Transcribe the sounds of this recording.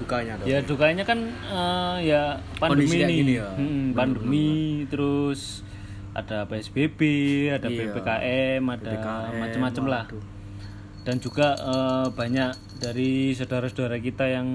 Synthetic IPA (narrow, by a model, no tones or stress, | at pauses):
duka | jadukaɲakanəjapandmininm̩m̩pandumit̪əɾʊs | ʔa̰d̥apeɛsb̥eb̥eadapepekaʔɛmadamat͡ʃəmːat͡ʃəmlah | d̥and͡ʒuɡ̥aəbaɲaʔ | d̥aɾisədaɾasədaɾakit̪ajaŋ